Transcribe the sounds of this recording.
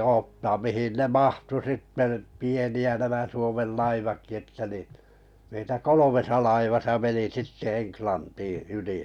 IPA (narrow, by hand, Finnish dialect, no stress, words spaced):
oːtːɑːm mihin ne mɑhtu sitːe tə pieniæ næmæ suomel lɑiʋɑkːi etːæ nin̞ meitæ kolomesɑ lɑiʋɑsɑ meni sitːe eŋklɑntiː yli